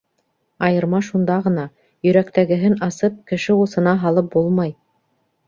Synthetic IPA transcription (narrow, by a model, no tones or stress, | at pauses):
ɑjɤ̆ɾmɑʃund̪ɑʁɤ̆nɑ | jɵ̆ɾækt̪æɡɘ̆ɦɘnɑsɤp̚kɘ̆ʃɘusɤ̆nɑɦɑlˠɤp̚bulˠmɑj